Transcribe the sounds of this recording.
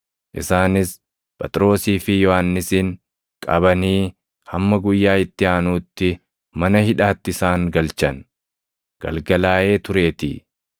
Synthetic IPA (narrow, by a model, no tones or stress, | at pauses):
ʔɪ̰saːnɪs | pʼɛt̪ʼɾo̞ːsiːfɪjɔhanːɪsiːŋ | kʼɐbɐniː | hɐmːɐɡʊjːaːɪt̪ːɪaːnuːt̪ːɪ | mɐnɐhɪᶑaːt̪ːɪɪsaːŋɡɐlt͡ʃɐn | ɡ̥ɐ̰lɡɐlaːʔe̞ːt̪ʊɾe̞ːt̪ḭː